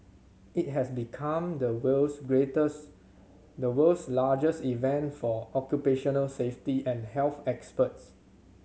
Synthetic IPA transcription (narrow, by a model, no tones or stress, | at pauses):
it̚ɦɛsbikʰãmd̪əwəlsɡɹetəs | dəwəlslad͡ʒəsivɛ̃ntfɔɔkjupeʃɔnəlseftiʔɛ̃nhɛlθɛkspəts